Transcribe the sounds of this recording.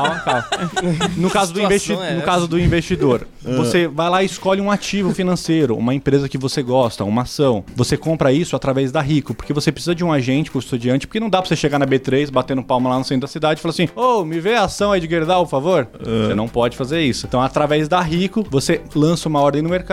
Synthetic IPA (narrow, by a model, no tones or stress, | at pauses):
kawkaw | nʊkazʊd̪ʊĩvesinʊkazʊd̪ʊĩvest͡ʃid̪oɾ | vosevajlaɪɪskɔʎɪũat͡ʃivʊfinɐ̃sejɾʊṵ̃mɐẽpɾezɐkɪvoseɡɔst̪ɐũmɐasɐ̃w̃vosekõpɾɐisʊat̪ɾavɛzd̪aɦikʊpoɾkevosepɾesizɐd͡ʒɪũaʒẽnt͡ʃɪ̥kõist̪ud͡ʒiɐ̃nt͡ʃɪ̥poɾkenɐ̃w̃d̪apɾɐoseʃeɡaɾnɐbet̪ɾejsbat̪ẽnʊ̃pawmɐlanʊsẽj̃d̪ʊd̪ɐsid̪ad͡ʒɪfalasĩomɪveasɐ̃w̃ɐid͡ʒɪɡeɾd̪awpoɾfavoɾosḛnɐ̃w̃pɔd͡ʒɪfazeɾisʊ̥t̪ɐ̃w̃at̪ɾavɛzd̪aɦikʊvoselɐ̃sɐũmɐɔɾd̪ẽnʊmeɾka